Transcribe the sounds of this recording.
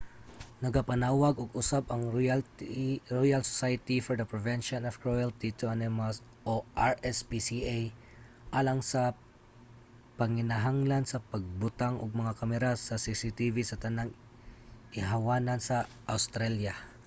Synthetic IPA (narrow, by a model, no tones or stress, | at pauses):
nɐɡapɐnaːwaɡʊɡʊsabɐŋ | ɹojalso̥sajt̪ifɔɹd̪ɐpɹɛvɛnʃonɔvkɹojalt̪it̪ʊanɛmas | ʔoʔaɹʔɛspisiʔaj | ʔalaŋsɐ | pɐŋɪnɐɦaŋlansɐpɐɡ̚bʊt̪aŋʔʊ̰ɡ̚mɐŋakamɛɾasɐsisɪt̪ivisɐt̪ɐnaŋ | ʔɪɦawaːnansɐ | ʔawst̪ɾalja